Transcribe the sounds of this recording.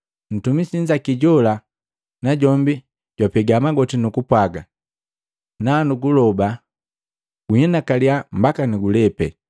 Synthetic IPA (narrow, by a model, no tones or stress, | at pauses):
n̩tumisiɲd͡ʒakiɟɔla | naɟɔmbi | ɟ̥wapɛɡamaɡɔtinukupwaɡa | naːnuɡulɔba | ɡ̥uhɛnakaliambakaniɡulɛpɛ̰